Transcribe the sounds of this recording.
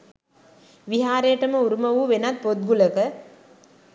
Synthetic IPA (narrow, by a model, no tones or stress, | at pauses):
ʋiɦaːɾejəʈəməuɾumɐʋuʋenat̪̚pot̪̚ɡuləkə